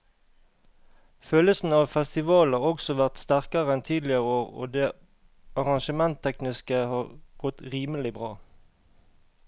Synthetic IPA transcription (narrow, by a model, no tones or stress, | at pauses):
føːləsn̩ɑːʋfɛst̪ɪʋɑːlɑʁɔksɔʋæʁt̪st̪æʁkəʁəɛnt̪ʰiːd̪lɪəʁəoːʁo̰ːd̪eː | ʔɑʁɑŋʃəmɛnt̪ʰɛknɪskəhɑːʁɡ̥ɔt̪ʁiːməlɪbʁɑː